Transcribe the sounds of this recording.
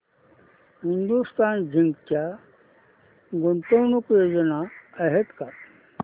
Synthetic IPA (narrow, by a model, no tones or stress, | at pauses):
ɦind̪ust̪aːnd͡ʑʱiŋɡt͡ɕa | ɡont̪ownukjoːd͡ʑənaəɦet̪ka